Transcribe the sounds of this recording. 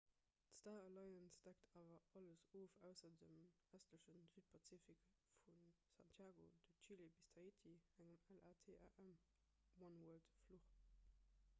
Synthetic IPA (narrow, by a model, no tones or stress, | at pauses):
tstaːəlɑɪənsd̥æk̚tʰaːvɐɑləsoːfæʊsɐdəm | æstləʃənzyːt̚pʰɑt͡sifik | fun | sɑ̰ntʰjaːɡo̰d̥ət͡ʃilebistʰɑitʰiæŋəmælʔaːtʰeːʔa̰ʔæm | wɑnwɜɐltfluχ